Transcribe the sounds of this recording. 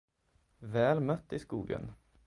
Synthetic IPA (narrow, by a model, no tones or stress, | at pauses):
ʋæːlmœt̪ːiːskuːɡə̰n